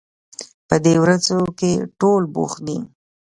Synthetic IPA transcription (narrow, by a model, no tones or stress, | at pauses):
pəd̪ewɾazokeʈolbo̰xd̪i